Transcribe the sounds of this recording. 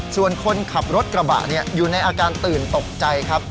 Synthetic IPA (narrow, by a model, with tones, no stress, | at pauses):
su˨˩ənkʰo˧nkʰa˨˩p̚ɾo˦˥t̪̚kɾa˧ba̰˨˩ʔni˥˩ɐjuː˨˩na˧jʔaː˧kaː˧nt̪ɯː˨˩nt̪o˨˩k̚t͡ɕa˧jkʰa˦˥p̚